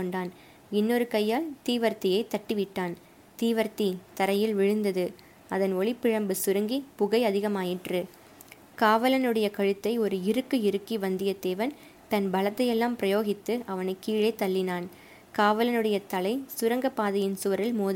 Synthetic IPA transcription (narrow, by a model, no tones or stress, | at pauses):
kːɔɳɖaːn | ɪnːoɾɯkɐjːaːlt̪iːʋɐɾt̪ɪjɐɪt̪ːɐʈːɯʋɪʈːaːn | t̪iːʋɐɾt̪it̪ɐɾɐjɪlʋɪɻɯnd̪ɐðɯ | ɐðɐnɔɭɪpːɪɻɐmbɯsʊɾɐŋɡipʊɣɐɪɐðɪɣɐmaːjɪʈrɯ | kaːʋɐlɐnɯɽɐjɐkɐɻɯt̪ːɐɪɔɾɯɪɾɯkːɯɪɾɯkːiʋɐnd̪ɪjɐd̪eːʋɐn | t̪ɐnbɐlɐt̪ːɐjɛlːaːmpɪɾɐjoːɣɪt̪ːɯʔɐʋɐnɐɪkːiːɻɐɪt̪ːɐlːɪnaːn | kaːʋɐlɐnɯɽɐjɐt̪ɐlɐɪsʊɾɐŋɡɐpaːðɐjɪnsʊʋɐɾɪlmoːð